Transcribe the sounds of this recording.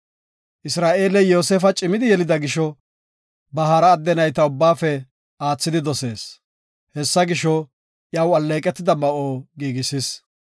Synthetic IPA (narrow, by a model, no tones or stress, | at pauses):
ʔɪsɾaːʔe̞ːlɛjo̞ːseːfɐt͡ʃʼɪmɪd̪ɪjɛlɪd̪ɐɡɪʃɔ | bɐɦaɾɐːd̪ːɛnɐjt̪ɐʊbːaːfɛ | aːt͡sːɪd̪ɪd̪ɔse̞ːs | hɛsːɐɡɪʃɔ | ʔjɐwɐlːe̞ːkʼɛt̪ːɪd̪ɐmɐʔoːɡiːɡɪsɪs